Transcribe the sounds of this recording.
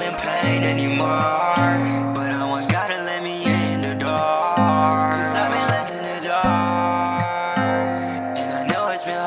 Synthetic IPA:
ɨ̃npʰẽɪ̃nɛnimɔ | b̥ʌɾaɪwə̃nɡɑɾɨlɛt̚miɪɪ̃nðɨdɔ | kʰʌzaɪbɨ̃nlɛtɨ̃nðɨdɔ | ɨ̃naɪnoʊɨtsb̥ɨ̃n

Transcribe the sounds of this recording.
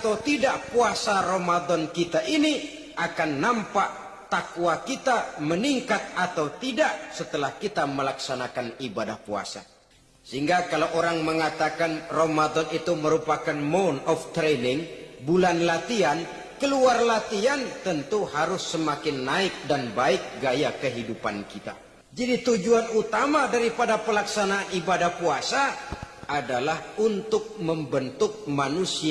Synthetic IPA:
at̪awt̪idaʔpuasaɾomad̪ɔnkit̪aʔini | ʔakanːampaʔ | t̪akwakit̪aməniŋkat̪̚at̪awt̪idaʔsət̪əlahkit̪aməlaksanakanibadahpua̰sa̰ | səɦiŋɡakalowʔoɾaŋməŋat̪akanromad̪ɔnit̪uməɾupakanmonɔft̪ɾɛnɪŋbulanlat̪ian | kəluarlat̪iant̪ənt̪uhaɾʊsːəmakɪnːaɪk̚danbaɪk̚ɡajakəɦidupa̰nkit̪a̰ | d͡ʒadit̪ud͡ʒuanut̪amadaɾipadapəlaksanaːnibadahpuasaː | dalahunt̪ʊk̚məmbənt̪ʊk̚manusi

